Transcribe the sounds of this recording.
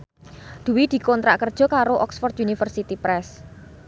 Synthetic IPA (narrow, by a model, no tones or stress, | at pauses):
d̪̥ṳwid̪̥i̤kɔnt̪ɾa̰ʔkərd̥ʒ̥ɔ̤kaɾoʔɔksfɔrd̪ʔunifərsit̪ipɾɛs